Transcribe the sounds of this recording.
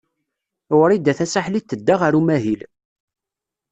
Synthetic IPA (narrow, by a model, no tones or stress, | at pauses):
wɾid̪æθæsaħlit̪ːəd̪ːaʁaɾumæɦil